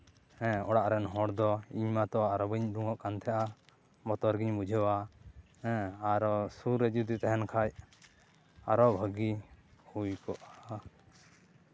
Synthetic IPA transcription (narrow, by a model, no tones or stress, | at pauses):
hɛ̃ɔɽaʔɾɛnɦɔ̃ɽd̪ɔiɲmat̪ɔaɾɔbiɲɖuŋɔʔkant̪ʰɛjaʔa | bɔt̪ɔɾɡiɲbud͡ʒʱəwa | ɛ̃aɾɔsuɾːɛd͡ʒud̪it̪ɛɦɛnkʰaj | aɾɔbʱəɡihujkɔʔa